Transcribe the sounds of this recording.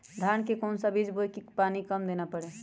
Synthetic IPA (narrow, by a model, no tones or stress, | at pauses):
d̪ʱankekɔːnsəbid͡ʒbojkipanikəmd̪enapəɽe